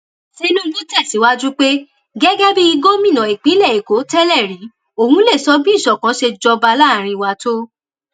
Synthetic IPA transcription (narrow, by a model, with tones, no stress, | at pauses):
si˦lu˦lu˦tɛ˦˨si˨˦wa˦d͡ʒu˦k͡pe˦ | ɡɛ˦ɡɛ˦bi˦i˧ɡo˦mĩ˦˨nã˨i˨k͡pi˨˦lɛ˦˨i˨ko˨˦tɛ˦lɛ˦˨ɾĩ˨˦ | o˦˨hũ˦le˦˨sɔ˨˦bi˦˨ʃɔ˨kã˨˦ʃe˧d͡ʒɔ˧ba˧la˦˨ɾ̃ĩ˧i˨wa˨to˦